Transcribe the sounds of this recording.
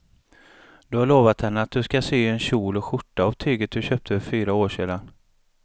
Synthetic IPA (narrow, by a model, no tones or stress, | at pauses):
d̪̥ɵhaɭoːvat̪hɛnːəat̪̚d̪ɵskasyːɛnɕuːlɔɧʊʈːaavt̪ʰyːɡət̪̚d̪ɵɕøːp̚t̪ʰəfœɾfyːɾaoːʂeːd̪an